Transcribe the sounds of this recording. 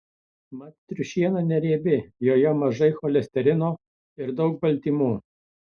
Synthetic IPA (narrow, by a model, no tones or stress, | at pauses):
mɐt̪t̪ʲɾʲʊʃʲiɛnɐnʲɛɾʲeːbʲɪjoːjɛmɐʒɐɪxɔlʲɛsʲt̪ʲɛɾʲɪnoː | ɪɾd̪ɒʊk̚bɐlʲt̪ʲiːmuː